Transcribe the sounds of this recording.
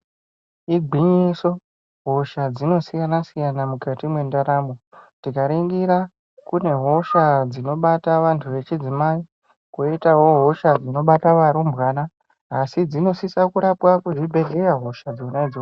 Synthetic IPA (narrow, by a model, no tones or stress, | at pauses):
iɡʱiɲiso̞ | ɦo̞ʃad͡zino̞sijanasijanamukatimwe̞ndaɾamotikaɾiŋɡiɾa | kune̞ɦo̞ʃad͡zino̞ɓataʋantʰuʋe̞t͡ʃid͡zimai | koitawo̞ɦo̞ʃad͡zino̞ɓataʋaɾumbɣaːnaː | sid͡zino̞sisakuɾapwakuʐibʱe̞ɮeraɦo̞ʃad͡zounaid͡zio